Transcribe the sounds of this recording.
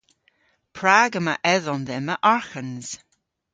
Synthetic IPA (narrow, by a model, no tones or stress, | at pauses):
pʰɾaɡəməʔɛðɔnðɛməʔaɹxənz̥